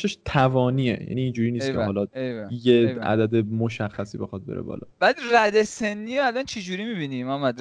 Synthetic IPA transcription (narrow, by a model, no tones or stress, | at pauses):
ʃeʃt̪ʰævɒːniːḛjæ̰niːnd͡ʒuːɾiːniːsʰeɦɒːlɒjeæ̰d̪æd̪e̞moʃæxːæsiːbe̞̰xɒd̪̚beɾḛbɒ̰ːlɒ̰b̥æd̪ræd̪esenːiːɾoælænt͡ʃʰed͡ʒuːɾimibinimænmæd̪ɾ